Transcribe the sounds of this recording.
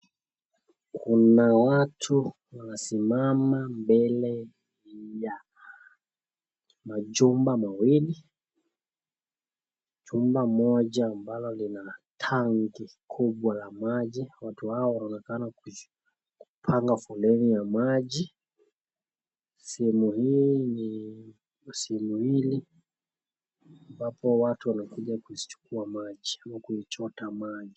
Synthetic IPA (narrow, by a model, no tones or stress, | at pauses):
kʰunawatʰu | wanasimamambɛlɛ | ja | maʄumbamawili | d͡ʒumbamɔʄaːmbalɔlinatʰaŋɡikʰuɓwalamaʄiwatuhaɔwanaɔnɛkanaku | ku̥pʰaŋɡafɔlɛnijamaʄi | sɛhɛmuhiːni | sɛhɛmuhili | ambapɔwatuwanakuʄakuzi̥t͡ʃu̥kuamaʄiakuit͡ʃɔtamaʄi